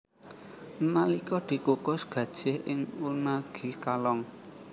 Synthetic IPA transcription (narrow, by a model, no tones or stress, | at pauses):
nalikɔd̪̥i̤kukʊsɡ̥ä̤d̥ʒ̥ɪhʔɪŋunaɡ̥i̤kalɔŋ